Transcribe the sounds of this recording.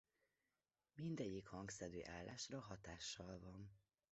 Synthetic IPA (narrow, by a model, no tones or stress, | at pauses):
mind̪ɛɟːikhɒŋɡsɛd̪ø̰ːʔaːlːa̰ːʃrɒɦɒt̪aːʃːɒlvɒn